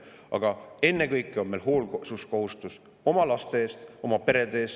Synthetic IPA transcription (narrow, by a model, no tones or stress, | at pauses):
ʔɑ̰ɡ̥ɑe̞nːe̞kɤjkːˑeo̞nmelɦo̞ːlsusko̞hust̪us | o̞mɑlɑst̪e̞eːst̪o̞mɑpe̞ɾe̞d̪eːs